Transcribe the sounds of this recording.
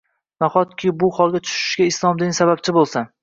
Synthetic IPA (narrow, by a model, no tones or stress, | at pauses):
naχɒt̪̚kʲʰɪbʊhɒlˠɡʲat̪ʰʊ̥ʃɪ̥ʃɡʲaɪslˠɒmd̪ɪnsaβap̚t͡ʃʰɪbolˠsan